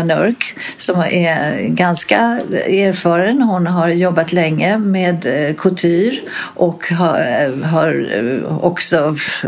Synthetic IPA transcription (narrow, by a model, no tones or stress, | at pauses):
nœ̰ɾk | sɔmæɡanskaæːɾfɑːɾənhʊnɦaɾjɔbːat̪lɛŋːəmeːd̪kʰɵlt̪ʰyːɾ | ʔɔkɦɦaɾɔksɔ